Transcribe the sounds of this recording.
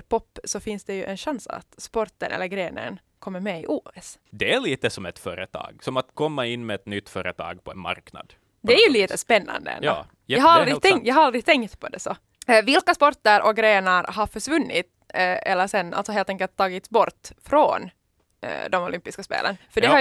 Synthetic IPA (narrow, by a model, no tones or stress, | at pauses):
pʰɔpːsɔfɪnsd̪ɛjʉʔɛnɕansa̰t̪spɔɾt̪ə̰nɛ̰lːəɾɡɾeːnə̰n | kʰɔmːəɾmɛɪʔuːɛsd̪ɛæɭiːt̪əsɔmɛt̪fœːɾət̪ʰɑ̰ːɡsɔmat̪kʰɔmːaɪnːmɛɛt̪nʏt̪ːfœːɾət̪ʰɑ̰ːɡ̚pʰɔɛnma̰ɾkna̰d̪ | d̪ɛæɾjʉliːt̪əspɛnːa̰nd̪ə̰ɛ̰no̰ː | ahaɾald̪ɾɪt̪ɛŋjɑːɡhaɾald̪ɾɪt̪ʰɛŋkt̪pʰɔd̪ɛsɔ | vɪlkaspɔɾt̪ːəɾʔɔk̚ɡɾeːnəɾɦaɾfœʂvɵnːɪt̪ | ɛlːəsɛnːalt̪sɔɦeːlt̪ɛŋkəlt̪ʰːɑːɡɪt̪sbɔɾt̪fɾon | d̪ɔmʊlʏmpɪskaspḛːlə̰nfœɖɛha